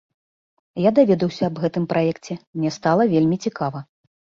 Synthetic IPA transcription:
jad̪avʲɛd̪ɐwsʲɐːbɣɛt̪ɨmpɾʔajɛkt͡sʲɛmnʲɛst̪alˠɐvʲelʲmʲit͡sʲikavɐ

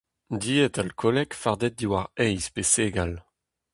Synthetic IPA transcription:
d̪iːɛt̪alkʰɔlɛkfaʁd̪ɛt̪̚d̪iwaʁɛjspeseːɡal

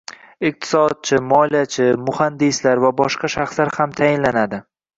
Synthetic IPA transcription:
ɪq̚t̪ʰɪ̥sɒd̪̚t͡ʃʰɪmɒlijat͡ʃʰɪmʊhand̪ɪslaɾvabɒʃqɑʃaχslaɾhamt̪ʰajɪnlanad̪ɪ

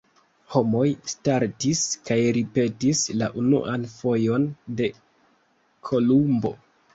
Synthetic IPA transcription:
ho̞mo̞jstaɾtiskajɾipe̞tislaʔunṵʔanfo̞jo̞nde̞ | kʰo̞lumbo̞̰

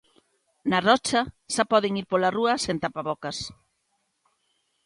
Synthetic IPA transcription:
nɐrɔt͡ʃɐʃapɔðeŋiɾpolaruɐsẽnt̪apaβɔkɐs

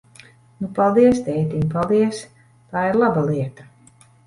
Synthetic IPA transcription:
nupalˠd̪iɛst̪ɛjt̪impalˠd̪iɛs | t̪aːiɾlˠabalˠiɛt̪ḁ

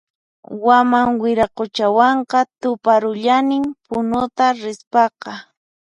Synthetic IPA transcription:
wamaŋwɪɾaqot͡ʃawɑɴqɑt̪ʊpaɾʊʎanɪmpʊnʊt̪aɾɪspɑqɑ

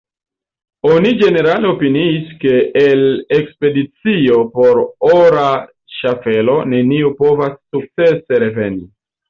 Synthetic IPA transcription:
o̞nid͡ʒe̞ne̞ɾale̞opiniːske̞ːlekspe̞dit͡sio̞po̞ɾoɾa | ʃafe̞lo̞ne̞niupo̞vasːuk̚t͡se̞se̞ɾe̞ve̞̰ndi

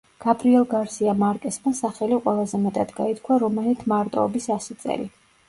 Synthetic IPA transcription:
ɡ̥abɾiɛlˠɡaɾsiamaɾkʼɛsmasaχɛliqʼwɛlˠazɛmɛt̪ʼad̪ɡait̪̚ʰkʰwaɾɔmɛlit̪ʰmaɾt̪ʼɔɔ̰bisasit̪sʼɛ̰lḭ

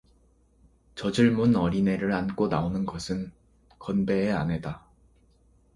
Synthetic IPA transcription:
t͡ɕʌd͡ʑɯɭmunʌɾine̞ɾɯɾank͈onaonɯnɡʌsʰɯn | kʌnbe̞ːa̰nɦe̞da

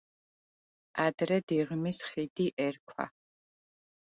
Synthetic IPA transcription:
ad̪ɾɛd̪iʁmisχid̪iʔɛɾkʷʰwa̰

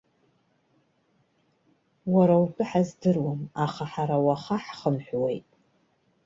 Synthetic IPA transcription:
waɾawpʰʼɨħazdɨrwamaχaħaɾawaχaħχəmħʷwe̞jtʼ

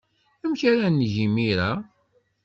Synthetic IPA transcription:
æmçaɾænːʝimiɾæ

